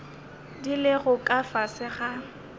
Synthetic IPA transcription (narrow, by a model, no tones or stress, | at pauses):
dilɪɣʊkʼafasɪɣa